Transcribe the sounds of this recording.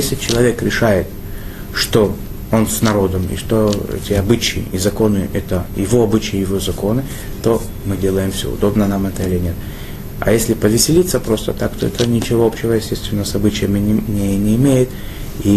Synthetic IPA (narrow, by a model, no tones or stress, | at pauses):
jesʲlʲɪt͡ɕɪlˠɐvʲe̞kɾʲɪʂajɪt̪ | ʂt̪o̞ | o̞nsʲnɐɾo̞d̪əmḭʂt̪o̞ɛ̰tʲɪɐbɨt͡ɕɪɪ̰izɐko̞nɨʔɛt̪əjɪvo̞ɐbɨt͡ɕɪjəjɪvozɐko̞nɨ | t̪o̞ | mɨdʲe̞lˠəjɪmfsʲo̰ʊ̰d̪o̞bnənamɛt̪əilʲɪnʲet̪̚ | ɐ̰jesʲlʲɪpəvʲɪsʲɪlʲit̪sːəpɾo̞st̪ət̪akt̪oɛ̰t̪ənʲɪt͡ɕɪvo̞opɕːɪvəjɪsʲtʲe̞st̪vʲɪnːəsɐbɨt͡ɕɪjəmʲnʲejnʲɪɪmʲejɪt̪ | i